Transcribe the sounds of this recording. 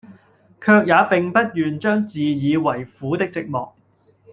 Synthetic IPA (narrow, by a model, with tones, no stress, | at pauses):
kʰœː˧k̚jaː˨˧pɪ˨ŋpɐ˥t̚jyː˨nt͡ʃœː˥ŋt͡siː˨jiː˨˧wɐ˨˩jfuː˨˥t̪ɪ˥k̚t͡sɪ˧k̚mɔ̰ː˨k̚